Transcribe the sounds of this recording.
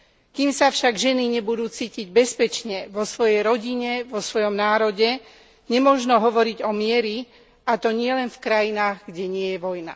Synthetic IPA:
kiːmsafʃaɡʒɛniɲɛbud̪uːt͡siːciɟ̚bɛspɛt͡ʃɲɛʋɔsʋɔjɛjɾɔɟiɲɛʋɔsʋɔjɔmnaːɾɔɟɛ | ɲɛmʊɔʒnɔɦɔʋɔɾiɟɔmɪɛɾi | at̪ɔɲɪɛlɛnfkɾajinaːɣɡɟɛɲɪɛjɛʋɔjna̰

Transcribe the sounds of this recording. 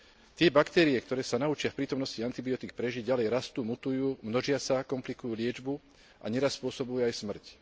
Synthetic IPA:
t̪ɪɛbakt̪ɛːɾiɛkt̪ɔɾɛːsanaut͡ʃɪafpɾiːt̪ɔmnɔsciant̪ibiɔt̪ik̚pɾɛʒiɟɟalɛjɾast̪uːmut̪ujuːmnɔʒɪasakɔmplikujuːlɪɛd͡ʒbu | ʔa̰ɲɛɾasːpʊɔsɔbujuajsmr̩c

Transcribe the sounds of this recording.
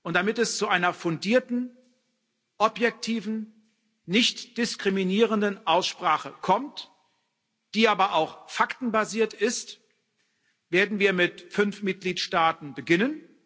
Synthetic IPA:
ʔʊnt̚d̥amɪtɛst͡suʔaɪnɐfʊndiːɐtn̩ | ʔɔpjɛk̚tʰiːvn̩ | nɪçtd̥ɪskʁ̥iminiːʁəndənʔaʊsʃpʁ̥aːχəkʰɔmt | d̥iːʔaːbɐʔaʊxfaktn̩baziːɐtɪst | v̥eːɐdn̩viːɐmɪtfʏnfmɪt̚ɡ̥liːtʃtaːtn̩bəɡɪnən

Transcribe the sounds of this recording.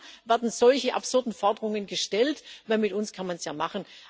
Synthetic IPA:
vɛɐdn̩z̥ɔlçəʔa̰pz̥ʊɐdn̩fɔɐdəʁʊŋənɡəʃtɛltvɛnmɪtʊnskʰanmansjaːmaχən

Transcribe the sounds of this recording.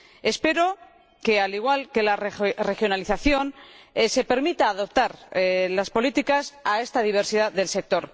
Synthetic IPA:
e̞spe̞ɾo̞ | ke̞aliɣ̞walke̞larre̞xjo̞naliθaθjo̞nse̞pe̞ɾmit̪aːðop̚t̪aɾlaspo̞lit̪ikasae̞st̪aðiβ̞e̞ɾsiðaðelse̞k̚t̪o̞ɾ

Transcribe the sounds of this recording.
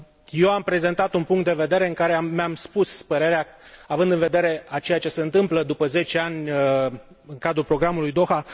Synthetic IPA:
je̞wampɾe̞ze̞nt̪at̪unpuŋkt̪̚d̪e̞ve̞d̪e̞ɾe̞ɨŋkaɾe̞aːeamspuspəɾe̞ɾea | avɨnd̪ɨnve̞d̪e̞ɾe̞at͡ʃe̞jat͡ʃe̞se̞ɨnt̪ɨmpləd̪upəze̞t͡ʃe̞anʲ | ɨŋkad̪ɾulpɾo̞ɡɾamulujd̪o̞xa

